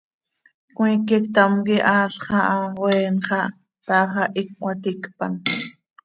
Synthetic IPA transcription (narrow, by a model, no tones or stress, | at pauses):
kwĩːkikt̪amkiʔɑːɬχɑʔɑweːnχɑʔ | pɑːχɑʔikːʷɑt̪ikpa̰n